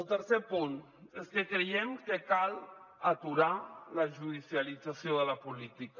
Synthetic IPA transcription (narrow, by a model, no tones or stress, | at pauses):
əlˠt̪əɾsepun | eskəkɾejɛmkəkal | ət̪uɾaləʒuðisiəlid͡zəsioðələpulit̪ik